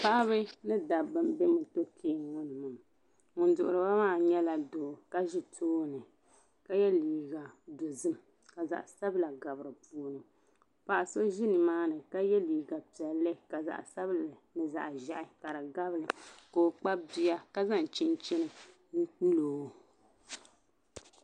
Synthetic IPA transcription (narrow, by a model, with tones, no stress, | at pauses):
pa˦ʔa˦βɨ˦nɨ˦da˨bɨ˦mbɛ˦mɨ˨to˦kʰeː˦ŋʊ˦nɨ˨mɨ˨m | ŋʊ˨n˦dʊ˨ʔʊ˨ɾɨ˨ba˦maː˦˨ɲɛ˦la˨doː˨ka˦ʒi˦tʰoː˦nɨ˨ | ka˦jɛ˦liː˨ɡa˨do˨zɨ˦m | ka˨za̰˨ʔsa˦bla˨ɡa˨bɾɨ˨pu˦o˦nɨ˨ | pa˨ʔa˨so˦ʒi˦nɨ˨maː˦nɨ˨ka˦jɛ˦liː˨ɡa˨pi˨ɛ˨lːɨ˦ka˨za̰˨ʔsa˦blɨ˨nɨ˨za̰˨ʔʒa˨ʔɪ˦ka˨ɾa˨ɡa˦blɨ˨koː˨k͡pa˦bi˦a˦ka˦za˦˨n˨t͡ʃi˦n˦t͡ʃi˦nɨ˨˦ | loː˨˦